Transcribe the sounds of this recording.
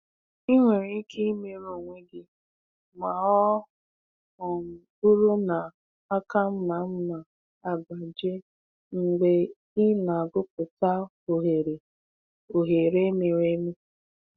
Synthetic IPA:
i˦ŋʷe˨ɾi˦kʰe˦i˦me˨ɾo˨ŋʷe˦ɡɪ˦ | ma˨ɔ˦ | ɔ˨m̩˨ | u˦ɾu˦na˨ | a˦ka˦m̩˦na˨m̩˦na˨ | a˨ɡ͡ba˨d͡ʒe˦ | ŋ̩˨ɡ͡be˨ | ɪ˦na˨ɡʊ˦p̚ʊ˨ta˦ | o˨ɦe˨ɾe˨ | o˨ɦe˨ɾe˦me˨ɾe˦me˦

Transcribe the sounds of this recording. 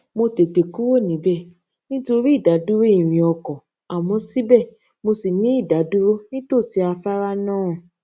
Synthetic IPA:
mo˧te˨te˨ku˦wo˦˨nĩ˨˦bɛ˦˨ | nĩ˦to˧ɾi˦i˦˨da˨˦du˦ɾo˦i˦˨ɾ̃ĩ˨ɔ˧kɔ̃˨ | a˨mɔ̃˧si˦bɛ˦˨ | mo˧si˨nĩ˦i˦˨da˨˦du˦ɾo˦nĩ˦to˦˨si˨˦a˧fa˦ɾa˦nãː˦˨

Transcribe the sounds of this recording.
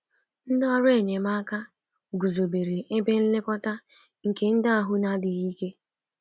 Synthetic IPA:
n̩˦dɔ˦ɾʊ˦e˨ɲe˨ma˦ka˦ | ɡu˨zo˨be˨ɾe˨ʔe˦be˦n̩˦lɪ˦kɔ˦ta˦ | ŋ̩˨ke˦n̩˦da˦a˨ɦʊ˦na˦dɪ˨i˦ke˦

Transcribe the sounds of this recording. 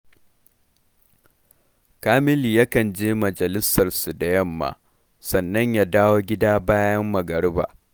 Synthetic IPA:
kaː˦mɪ˦li˨ja˦kɐ˨nd͡ʒeː˦mɐ˨d͡ʒɐ˨lɪ˦sɐ˨rsu˨da˨jɐ˦mːa̰ː˨ | sɐ˨nːɐ˦ɲjaː˦daː˦woː˦ɡʲɪ˦daː˦baː˦jɐ˦mːɐ˨ɡɐ˨ɽba̰ː˨

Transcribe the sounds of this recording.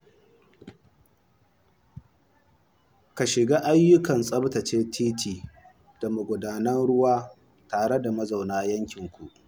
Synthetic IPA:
ka˨ʃɪ˨ɡaː˦ʔa˦jːʊ˦kɐ˨nsʼɐ˦btɐ˨t͡ʃeː˦tʰiː˦tʰiː˨ | d̥ɐ˨mu˨ɡʷʊ˨daː˨nɐ˦nɽʊ˦waː˦ | taː˨ɽe˦da˨mɐ˦za˨wnaː˦jɐ˦ŋkʲɪ˨ŋkʷu˨ʔ

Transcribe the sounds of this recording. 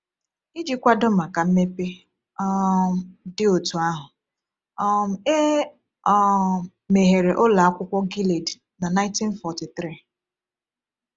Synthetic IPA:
i˦d͡ʒi˦kʷa˦dʊ˦m̩˨a˨ka˨m̩˦me˦pe˦ | ɔ˦ | dɪ˦o˨tu˨a˦ɦʊ˨ | ɔ˦m̩˨e˦ | me˨ɦe˨ɾe˨ʔʊ˦la˨a˦kʷʊ˦kʷɔ˦ɡi˦le˨d | na˨na˦ɪ˦nti˦n˦fɔ˨ti˨t̪ɾi˦˨

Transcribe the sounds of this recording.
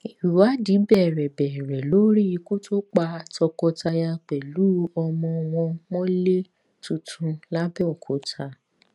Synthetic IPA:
i˨wu˨wa˦di˨˦bɛ˦˨ɾɛ˨bɛ˨ɾɛ˨lo˦ɾi˦i˧ku˦to˦k͡pa˧tɔ˧kɔ˧ta˧ja˧k͡pɛ˨lu˨˦ɔ˧mɔ̃˧w̃ɔ̃˧mɔ̃˦le˦ | tũ˨tʰũ˨˧la˦bɛ˦ɔ˨kʰo˨˦tʰa˧

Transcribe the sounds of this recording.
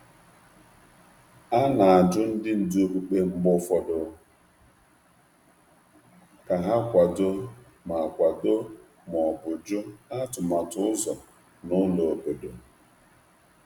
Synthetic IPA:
a˦na˨a˨d͡ʒʊ˦n̩˦dɪ˦n̩˨do˦ku˨k͡pe˦ŋ͡m̩˦ɡ͡bʊ˦fɔ˦dʊ˦ | ka˨ɦa˦kʷa˨do˦ | ma˨kʷa˨do˦ | m˨ɔ˨bʊ˨d͡ʒʊ˦a˦tʊ˨ma˨tʊ˦ʊ˦zɔ˨ | nʊ˦lo˨o˨bo˨do˨

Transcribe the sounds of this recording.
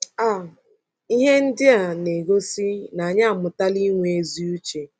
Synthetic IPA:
a˨ | i˦ɦe˦n̩˦dɪ˦a˨ne˨ɡo˦si˦na˨ɲa˦˨mʊ˨ta˦li˦ŋʷ˦e˦zi˦u˦t͡ʃe˨

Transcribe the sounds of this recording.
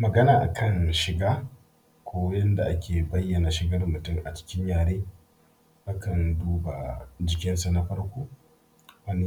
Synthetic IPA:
mɐ˨ɡɐ˦naː˨ʔa̰˨kʰɐ˦˨nʃɪ˨ɡaː˦ | kʷʰoː˦jɐ˦nda˨ʔa˦kʲeː˨bɐ˦jːɐ˨na˨ʃɪ˨ɡɐ˦rmʊ˨tʊ˦˨mʔa˨t͡ʃɪ̥˦kʲɪ˦ɲjaː˨ɾeː˦ | ʔa˦kɐ˨nduː˦ba˨d͡ʒɪ˨kʲɪ˦nsa˨na˦ɸɐ˦ɽkʷoː˦ | ʔa˦ni˦

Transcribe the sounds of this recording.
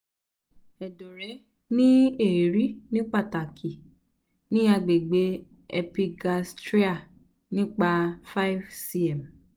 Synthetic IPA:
ɛ˨do˨ɾɛ˨˦ | nĩ˦e˦˨ɾi˨˦nĩ˦k͡pa˦˨ta˨kʰi˨ | nĩ˦a˧ɡ͡be˨ɡ͡be˨˦ | ɛ˧pi˧ɡa˧stɾi˦a˦˨ | nĩ˦k͡pa˧fa˦i˦vsi˧ɛ˨m

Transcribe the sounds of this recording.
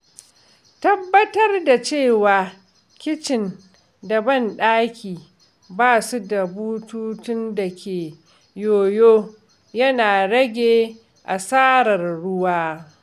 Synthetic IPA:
tɐ˦bːɐ˦tɐ˦rda˨t͡ʃeː˦˨waː˨ | kʲɪ˦t͡ʃɪ˨n | dɐ˨bɐ˦nɗaː˦kʲiː˨ | baː˦˨su˦da˨buː˦tuː˦tʊ˦nda˨kʲʰeː˨ | joː˨joː˦ | jɐ˦naː˨ɽɐ˦ɡʲeː˦˨ | ʔa˨saː˦ɾɐ˨rɽʊ˦waː˦

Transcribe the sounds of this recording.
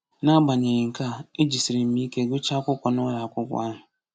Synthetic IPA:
na˦ba˨ɲe˨jɪ˨ŋ̩˨ka˦˨e˦d͡ʒi˨si˨ɾi˨m̩˦mi˦ke˦ɡʊ˦t͡ʃa˦kʷʊ˦kʷa˨nʊ˦ɾa˨a˨kʷʊ˦kʷa̰˦ɦʊ˨

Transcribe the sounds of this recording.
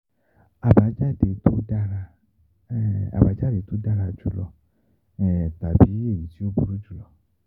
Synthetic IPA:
a˨ba˨˦d͡ʒa˦de˨˦t̪o˦da˦ɾa˧˦ | a̰˨ba˨˦d͡ʒa˦de˨˦t̪o˦da˦ɾa˧d͡ʒu˨˦lɔ̰˨ | ɛ˨t̪a˨bi˨˦e˦˨ji˨˦ti˦o˦bu˨ɾu˦d͡ʒu˨lɔ˨

